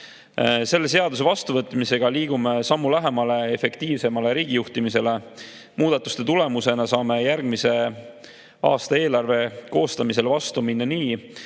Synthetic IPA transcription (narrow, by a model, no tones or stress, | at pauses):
se̞lːe̞s̬e̞ɑd̪use̞vɑst̪uvɤt̪ːˑmise̞ɡ̥ɑliːɡ̥ume̞sɑmːulæɦe̞mɑle̞efe̞kt̪iːvse̞mɑle̞ɾiːɡ̥ijuht̪imise̞le̞ | mʔuːd̪ɑt̪ːˑu̥st̪e̞t̪ule̞muse̞nɑsɑːme̞jærɡ̥mise̞ | ɑ̰ːst̪ɑe̞ːlɑrve̞ko̞ːst̪ɑmise̞lvɑst̪uminːɑniː